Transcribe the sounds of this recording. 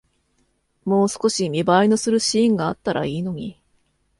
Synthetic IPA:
mo̞ːsɨ̥ko̞ɕimʲibainosɨɾɯ̟ɕĩːŋɡaːt̪ːaɾa̰iːno̞ɲ̟i

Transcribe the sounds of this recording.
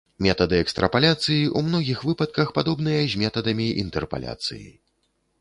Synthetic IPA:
mʲɛt̪ɐd̪ɨɛkst̪ɾɐpalʲat̪sɨjiʔumnɔɣʲixvɨpɐt̪̚kɐxpad̪ɔbn̪ɨjɐzʲmʲɛt̪ɐd̪ɐmʲiḭnt̪ɛrpa̰lʲa̰t̪sɨ̰jḭ

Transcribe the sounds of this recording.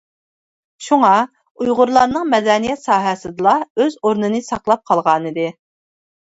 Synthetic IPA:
ʃuŋɑ | ujʁʊɾlˠɑnɨŋmɛd̪ɛnijɛt̪sɑːɦɛsɨd̪ɨlˠɑøzoɾnɨnɨsɑqlˠɑp̚qʰɑlˠʁɑːnɨd̪ɨ

